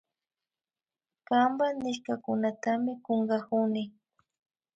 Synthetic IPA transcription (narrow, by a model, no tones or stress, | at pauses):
kambanɪʃkakʊnat̪amɪkoɴɢɑkʊnɪ